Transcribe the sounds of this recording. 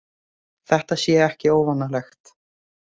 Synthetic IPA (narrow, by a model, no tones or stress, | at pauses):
θɛht̪asjɛɛhcɪoːwvanːalɛxt̪